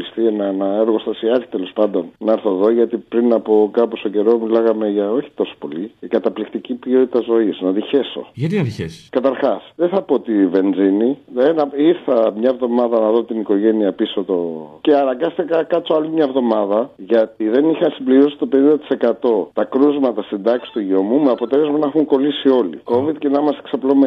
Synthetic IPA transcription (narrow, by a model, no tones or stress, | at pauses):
ist̪ie̞nɐenɐeɾɣo̞st̪ɐsiɐti̥t̪elo̞spɐnd̪o̞nnɐeɾθo̞ðo̞ʝɐt̪ipɾinɐpo̞kɐpost̪oce̞ɾo̞milɐɣɐme̞ʝɐo̞çi̥t̪o̞so̥po̞likɐt̪ɐplikt̪icipio̞t̪it̪ɐzo̞iznɐðiçe̞so̞̰ʝɐt̪inɐðiçeskɐt̪ɐɾxɐsðeθɐpoot̪ive̞nd͡ziniðenɐiɾθɐmɲɐevðo̞mɐðɐnɐðo̞t̪iniko̞ʝe̞niɐpiso̞t̪o̞ceɐnɐŋɡɐst̪ikɐkɐt͡so̞ɐlimɲɐevðo̞mɐðɐʝɐt̪iðe̞nixɐsimbliɾiosi̥t̪o̞pe̞nind̪ɐt̪i̥se̞kɐt̪o̞t̪ɐkɾuzmɐt̪ɐsind̪ɐksi̥t̪uʝio̞mumeɐpo̞t̪elezmɐnɐxuŋko̞lisio̞lḭko̞viðcenɐmɐseksɐplome